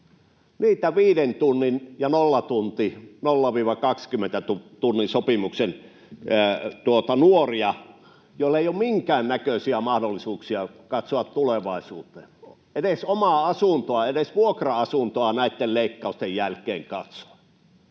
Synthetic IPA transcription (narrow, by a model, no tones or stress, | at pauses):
niːt̪æʋiːɾent̪unːinjɑnolːɑt̪unt̪inolːɑʋiːʋɑkɑkskymːˑent̪æt̪ut̪unːinsopimuksen | t̪uot̪ɑnuoriɑ | joˑilːeijoːmmiŋkæːnnækøsiæmɑhdolːisuːksiɑkɑt̪soɑt̪t̪uleʋɑˑisuːt̪eːn | eɾesomɑˑɑsunt̪oɑeɾesʋuokrɑɑsunt̪oɑnæˑit̪ːelleˑikːɑˑust̪ejjælkeːŋkɑt̪so̥ɑ̥